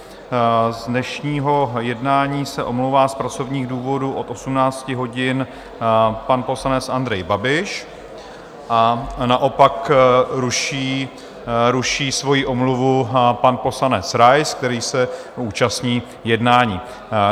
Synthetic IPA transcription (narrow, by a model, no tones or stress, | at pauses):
zdnɛʃɲiːɦo̞jɛdnaːɲiːsɛʔo̞mlowvaːspɾat͡so̞vɲiːɣduːvo̞duʔo̞t̪o̞sumnaːt͡scɪɦo̞ɟɪn | panpo̞slanɛt͡sʔand̪ɾɛjbabɪʃ | ʔanaʔo̞pakɾuʃiː | ɾuʃiːsvo̞jiʔo̞mluvupanpo̞slanɛt͡sɾajsk̚t̪ɛɾiːsɛ | uːt͡ʃastɲiː | jɛdnaːɲiː